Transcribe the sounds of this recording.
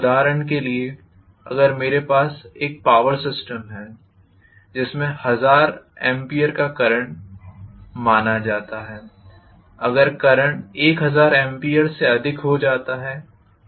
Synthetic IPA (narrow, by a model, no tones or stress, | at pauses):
ʊd̪aːɾəɳ̃k̬elie | ɐ̰ɡəɾmeːɾepaːseːk̚paːʋəɾsɪsʈəmɦɛː | d͡ʒɪsmẽhɐzaːɾɛ̃ːmpiːəɾkakɐɾəɳ̃ | maːnad͡ʒaːt̪aɦɛː | ɐɡəɾkɐɾəɳeːkɦɐzaːɾɛ̃ːmpiːjəɾseɐd̪ʱɪkɦod͡ʒaːt̪aɦɛː